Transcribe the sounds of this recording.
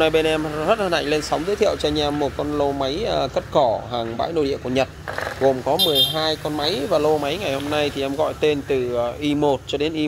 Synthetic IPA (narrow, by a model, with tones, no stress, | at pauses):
na˧jɓe˧nʔɛ˧mzə˦˥t̚lə˧˩nʔa̰˧˨ŋ̟le˧nsa˨˦wŋ͡mzɨː˨˦t̪ʰḭ˧˨ə˨wt͡ɕɔ˧ɲɛ˧mːo˨˩t̚kɔ˧nlo˧ma˨˦jkə˦˥t̚kɔ˧˩ɦaː˨˩ŋɓa̰ː˧˥jno̰˧jɗḭ˧˨əku˧˩əɲə˨˩t̚ɣo˨˩mkɔ˨˦mɨ˨˩əjɦaː˧jkɔ˧nma˨˦jvaː˨˩lo˧ma˨˦jŋa˨˩jho˧mna˧jt̪ʰi˨˩ʔɛ˧mɣɔ̰˧˨jt̪e˧nt̪ɨ˨˩˨ʔi˧mo˨˩t̚t͡ɕɔ˧ɗe˨˦nʔi˧